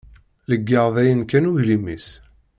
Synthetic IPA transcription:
ləɡːəʁðæjənkænuʝlimis

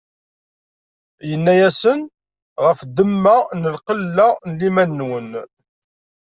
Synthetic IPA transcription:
jənːæjæsən | ʁəfd̪əmːanəlqəlːanəlimænːwən

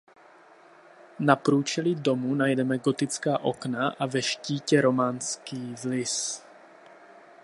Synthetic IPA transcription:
napɾuːt͡ʃɛlido̞munajdɛmɛɡo̞t̪ɪt͡skaːʔo̞knaʔavɛʃciːcɛɾo̞manskiːvlɪs

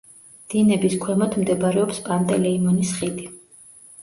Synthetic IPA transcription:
d̪̥inɛbiskʰwɛmɔt̪ʰmd̪ɛbaɾɛɔpspʼant̪ʼɛlɛimɔnisχid̪i

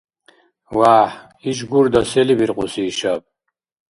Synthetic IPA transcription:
waːħ | iʒɡuɾd̪asɛlibiɾqʼusiːʃab̚

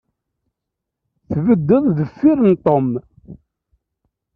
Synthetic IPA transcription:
θvəd̪ːəðˤðəfːiɾənt̪ˤːom

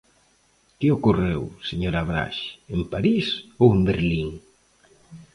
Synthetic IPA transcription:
kɪokorewseɲoɾaβɾa̰ʃempaɾisowembeɾliŋ

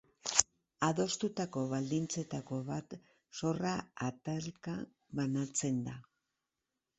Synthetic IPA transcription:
aðo̞st̪ut̪ako̞βald̪int͡se̞t̪ako̞βat̪ | so̞raat̪alka | βanat͡se̞nd̪a

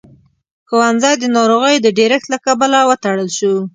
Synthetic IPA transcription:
xowanzajd̪ənɑɾoɣəjod̪əɖeɾɪxt̪lakabalawət̪aɽəlʃu

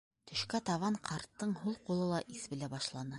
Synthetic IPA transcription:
t̪ʰɵ̆ʃkæt̪ɑβɑɴqʰɑɾt̪ːɤɴɦulˠqulˠɤlˠɑʔisbɘ̆læbɑʃlˠɑnɤ

